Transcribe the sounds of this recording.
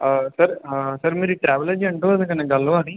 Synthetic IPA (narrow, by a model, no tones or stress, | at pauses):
sɐɾsɐɾmeɾiʈɾaːʋɐlɐd͡ʒiɐɳʈuʋɐd̪ɐ̃kɐneɡɐlːɐʋaːɽi